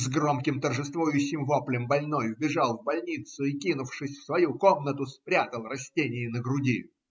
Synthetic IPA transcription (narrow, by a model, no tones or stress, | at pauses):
zɡɾo̞mkʲɪmt̪ərʐɨst̪vojʊɕːɪmvo̞plʲɪmbɐlʲnojʊbʲɪʐɑlˠvbɐlʲnʲit̪sʊɪkʲinʊfʂɨsʲfsvɐjuko̞mnət̪ʊspɾʲat̪əlˠrɐsʲtʲenʲɪjɪnəɡɾʊdʲi